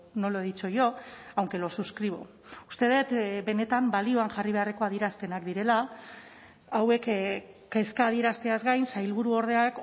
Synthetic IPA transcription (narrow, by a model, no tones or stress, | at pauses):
noloeðit͡sojo̞awŋke̞lo̞suskɾiβ̞o̰ | ust̪e̞ð̞e̞t̪be̞ne̞t̪ambalio̞aŋʝariβe̞areko̞aðieɾast̪e̞nakd̪iɾe̞la | awe̞k | ke̞skaːðie̞ɾast̪eazɣajnsajlβuɾuo̞ɾð̞e̞ak